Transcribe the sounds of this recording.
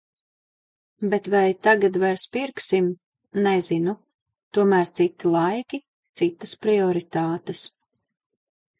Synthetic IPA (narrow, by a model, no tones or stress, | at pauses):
bet̪vajt̪aɡad̪vɛɾspiɾksim | nɛzinu | t̪uɔmæːɾt̪sit̪ːilˠajkʲi | t̪sit̪ːə̥spɾiɔɾit̪aːt̪es